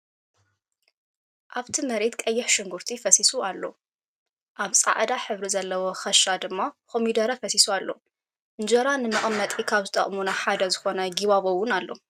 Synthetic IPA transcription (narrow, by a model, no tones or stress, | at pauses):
ʔaβt̪ʰimɐɾet̪kʼɐjːɪħʃɨŋɡuɾt̪ʰifɐsisualːo̰ | ʔaβsʼa̰ʕd̪aħɨβɾizɐlːɐwoxɐʃad̪ɨmːakomid̪ɐɾɐfɐsisualːo̞ | ʔɨnd͡ʒɐɾanɨmɐʔʼmːɐt̪ʼikʰaβzɨt̪ʼɐ̰χʼmunɐħad̪ɐzɨxo̞naɡiβaβowʊnalːo̞̰